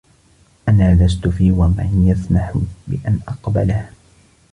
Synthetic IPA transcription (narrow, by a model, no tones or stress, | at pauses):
ʔanaːlas̬t̪ʊfiːwamanjaθnaħʊbɪ̰ʔanʔɑqba̰lah